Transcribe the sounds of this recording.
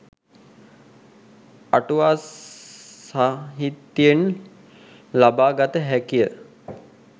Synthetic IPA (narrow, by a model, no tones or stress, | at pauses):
aʈuʋaː | saɦit̪ːjen | labaːɡat̪əɦækijə